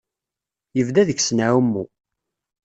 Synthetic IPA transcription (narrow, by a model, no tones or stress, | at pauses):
jəvd̪æðəçsnawəmːu